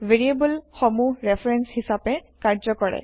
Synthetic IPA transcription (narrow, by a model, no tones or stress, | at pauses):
veɹiebulxɔmuɹɛpʰɹɛnshisapɛ | kaɹzɔkɔɹɛ̰